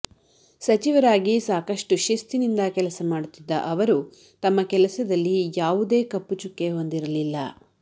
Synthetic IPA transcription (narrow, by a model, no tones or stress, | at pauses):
sɐt͡ʃiʋɐɾaːɡisaːkɐʂʈuʃɐst̪inind̪ɐkɛlɐsɐmaːɽut̪ːid̪ːɐ̰ʔɐʋɐɾu | t̪ɐmːɐkɛlɐsɐd̪ɐlːijaːʋud̪e̞ːkɐpːut͡ʃukːe̞ɦo̞nd̪iɾɐlilːɐ̰